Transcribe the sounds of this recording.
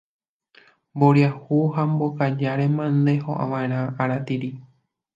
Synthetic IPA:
mboɾjahuhambokad͡ʒaɾemãnd̪e̞ho̰ʔã̰ʋãẽɾ̃ãaɾat̪iɾi

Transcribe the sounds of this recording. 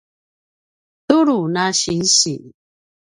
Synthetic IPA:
t̪uɾunaɕinɕi

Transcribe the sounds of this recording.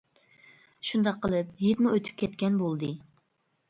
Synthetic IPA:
ʃund̪ɑqʰːəlˠɨpɦed̪muøt̪ʰy̥p̚kʲɛt̪kʲɛnbolˠd̪ɨ

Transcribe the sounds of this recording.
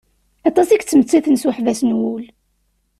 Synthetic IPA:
ɑt̪ˤɑsikt͡sːəmt͡sːiθənsuħvæsnwul

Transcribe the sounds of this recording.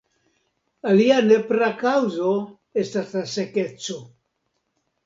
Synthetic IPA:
aliane̞pɾakawzo̞ | e̞staslaseke̞t͡so̞

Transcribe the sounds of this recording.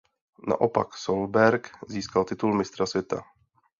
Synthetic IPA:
na̰ʔopa̰ksolbɛɾkziːskalt̪ɪt̪ulmɪst̪ɾasvʲjɛt̪a̰

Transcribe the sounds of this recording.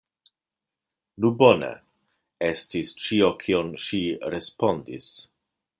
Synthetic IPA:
nubo̞nḛ | estist͡ʃiokʰionʃiɾespo̞ndḭs

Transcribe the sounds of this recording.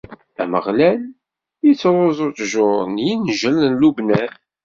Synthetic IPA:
æməʁlæl | jit͡sːɾˤozˤotʒʊɾˤənjinʒələnlubnæθ

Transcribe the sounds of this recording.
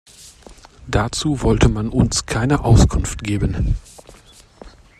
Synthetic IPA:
d̥at͡suːvɔltʰəmanʊnskʰaɪnəʔaʊskʰʊnftɡ̥eːbən

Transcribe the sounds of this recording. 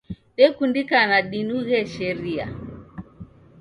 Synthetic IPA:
ɗɛkundikanaɗinuɣɛʃɛɾia̰

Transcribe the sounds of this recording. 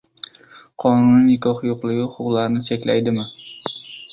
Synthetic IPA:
qʰɒnʊnɪnɪkʰʲɒhjoqlˠɪɡʲɪʊqʊqlˠaɾnɪt͡ʃʰekʲla̰jd̪ɪmɪ

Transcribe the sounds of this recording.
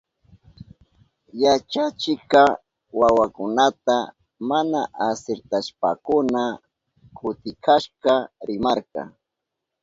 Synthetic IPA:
jat͡ʃat͡ʃɪka | wawakʊnat̪a | manaʔasɪɾt̪aʃpa̰kʊna | kʰʊt̪ɪkʰaʃkaɾɪmaɾkɑ̰

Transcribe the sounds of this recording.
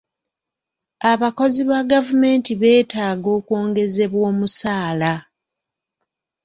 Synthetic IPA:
aβako̞ziβaɡavume̞ːntiβe̞ːtaːɡo̞ːkwo̞ːŋɡe̞ze̞βwo̞ːmusaːla

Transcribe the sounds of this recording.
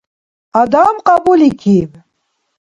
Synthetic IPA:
ad̪amqɑbulikʰib

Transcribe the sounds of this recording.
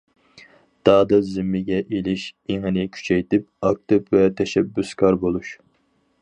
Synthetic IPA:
d̪̥ɑːd̪ɨzɪmːɪɡʲɛʔelɪʃeŋɨnɪkʲʰy̥t͡ʃʰɛjt̪ɪp̚ɑk̚t̪ɨpvɛt̪ʰɛʃɛbːyskʰɑɾbolˠuʃ

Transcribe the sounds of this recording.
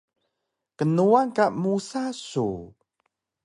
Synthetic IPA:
kənuaŋkamusasu

